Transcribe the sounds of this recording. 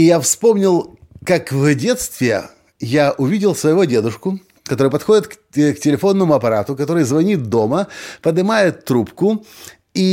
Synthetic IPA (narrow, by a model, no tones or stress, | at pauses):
ɪjafspo̞mnʲɪlˠ | kakvdʲe̞t̪st̪vʲɪ | jaʔʊvʲidʲɪlˠsvəjɪvodʲe̞d̪ʊʂkʊ | kɐt̪o̞ɾɨjpɐt̪xo̞dʲɪt̪kktʲɪlʲɪfo̞nːəmʊɐpɐɾat̪ʊkɐt̪o̞ɾɨjzvɐnʲit̪̚d̪o̞məpəd̪ɨmajɪt̪ːɾupkʊ | i